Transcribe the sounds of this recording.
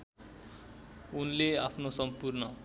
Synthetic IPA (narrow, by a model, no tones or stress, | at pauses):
unleapʰnosʌmpurnʌ